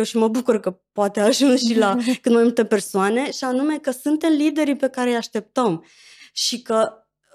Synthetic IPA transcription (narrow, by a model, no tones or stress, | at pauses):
ewʃiməbukurkəpoat̪eaʒunsʃilakɨnmajmult̪e̞pe̞rsoane̞ʃianume̞kəsunt̪e̞mlid̪e̞ɾipe̞kaɾejaʃt̪e̞p̚t̪əm | ʃikə